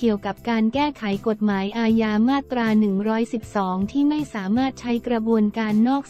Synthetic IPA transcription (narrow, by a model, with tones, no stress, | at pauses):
ki˨˩əwka˨˩p̚kaː˧nkɛː˥˩kʰa˩˦jko˨˩t̪̚maː˩˦jʔaː˧jaː˧maː˥˩tt̪ːɾaː˧nɯ˨˩ŋɾɔː˦˥jsi˨˩p̚sɔː˩˦ŋt̪ʰiː˥˩ma˥˩jsaː˩˦maː˥˩t̪̚t͡ɕʰa˦˥jkɾa˧bu˧ənkaː˧nːɔː˥˩k̚